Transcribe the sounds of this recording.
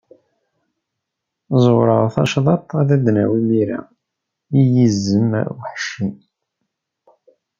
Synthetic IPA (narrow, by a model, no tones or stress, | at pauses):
zˤoɾˤəʁθɑ̰ʃðˤɑt̪ˤæðæd̪næwimiɾa̰ | ijizːəm̰wħʃin